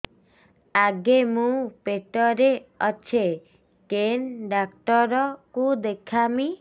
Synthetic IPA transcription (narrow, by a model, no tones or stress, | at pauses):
aɡemũpeʈɔɾeɔt͡ʃʰe | kenɖakʈɔɾɔkud̪ekʰami